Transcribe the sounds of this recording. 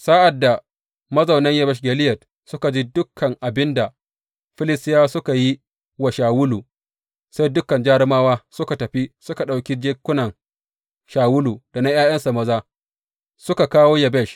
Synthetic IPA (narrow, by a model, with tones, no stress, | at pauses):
sa˦ʔa˨dːa˨ | mɐ˦zɐ˨wnɐ˦ŋjɐ˦bɛ˦ʃɡʲɛ˨lɪ˦jɐ˨t | sʊ˦ka˨d͡ʒi˦dʊ˦kʰːɐ˨ŋʔa˨bɪ˦nda˨ | ɸɪ˦lɪ˦stɪ˦jaː˦sʊ˦ka˨ji˦ | wa˨ʃaː˨wʊ˦luː˨ | sa˦jdʊ˦kːɐ˨nd͡ʒaː˦ɽɪ˦maː˦waː˦sʊ˦ka˨tɐ˨ɸi˦sʊ˦ka˨ɗa˨wkʲi˦d͡ʒeː˦kʷːʊ˦nɐ˨ŋ | ʃaː˨wʊ˦luː˨d̥a˨na˦j̰aː˦j̰ɐ˦nsa˨mɐ˦zaː˦ | sʊ˦ka˨kaː˦woː˦jɛ˨bɛ˦˨ʃ